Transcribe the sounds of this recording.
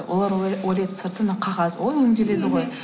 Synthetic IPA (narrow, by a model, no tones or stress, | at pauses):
wʔo̞̰lˠɑɾolʲe̞t̪səɾt̪ənəqʰɑʁɑswojɵŋd̪e̞le̞d̪ɪʁo̞j